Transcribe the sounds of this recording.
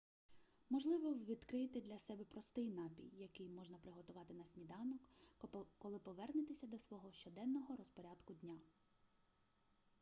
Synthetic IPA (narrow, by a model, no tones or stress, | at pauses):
mɔʒlˠɪʋɔʋʲid̪kɾɪt̪ɪd̪lʲɐsɛbɛpɾɔst̪ɪjnɑpʲḭjːɐkɪjmɔʒnɐpɾɪɦɔt̪ʊʋɑt̪ɪnɐsʲnʲid̪ɑnɔk | kɔlˠɪpɔʋɛrnɪt̪ɪsʲɐd̪ɔsʋɔɦɔʃt͡ʃɔd̪ɛnːɔɦɔɾɔspɔɾʲad̪kʊd̪ʲnʲa